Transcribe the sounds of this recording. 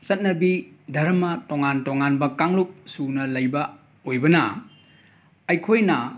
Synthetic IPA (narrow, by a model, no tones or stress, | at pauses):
t͡ʃɐt̚nɐbidʱɐɾɐmɐtoŋantoŋanbɐkaŋlup̚sunɐlɐjbɐ | ojbɐnɐ | ɐjkʰojnɐ